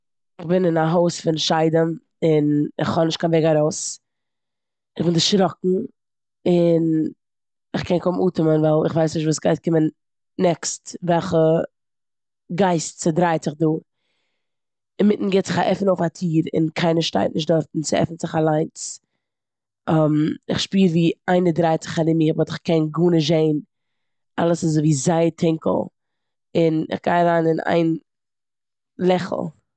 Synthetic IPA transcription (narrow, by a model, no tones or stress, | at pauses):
ɪχbɪnɪnaɦoʊsfɪnʃaɪdəm | ɪnɪ̰χhɔnɪʃtkʰanvɛɪɡaɾoʊs | ɪχbɪndɪʃɾɔkŋ̩ | ɪn | ɪχkʰɛnkʊmuːtɪmənvaɪlˠɪχvaɪsnɪʃtvuːsɡaɪstkɪmənː | ɛkstvɛlˠχə | ɡaɪstt͡sɪdɾaɪtt͡sɪχduː | ɪnmɪtn̩ɡeːtt͡sɪχaʔɛfn̩oʊfatʰiːɾɪ̰nkʰaɪnəʃta̰ɪtnɪʃ̬tdɔɾtn̩t͡sɪɛ̰fn̩zɪχalˠaɪnt͡s | amɪχʃpiːɾviːaɪnədɾaɪt͡sɪ̥χalɪmiːbɔtɪχkɛnɡuːnəʒeɪn | alˠəsɪzoviːzaɪətʰɪŋkl̩ˠ | ɪnɪ̰χɡaɪaɾaːnɪnʔa̰ɪn | lˠɛχl̩ˠ